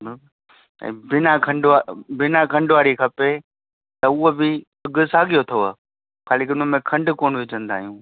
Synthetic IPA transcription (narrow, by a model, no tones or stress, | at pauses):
bɪb | ɛ̰̃ːbɪnakʰɐ̃ɳɖʋabɪnakʰɐ̃ɳɖʋaːɾikʰɐpe | t̪ɐʊɦobɪ | ɐɡʊsaːɡijot̪ʰioaː | xaːlɪkɪʊnəmẽkʰɐ̃ɳɖkoːnʋɪd͡ʑə̃nd̪a̰ːɦijũː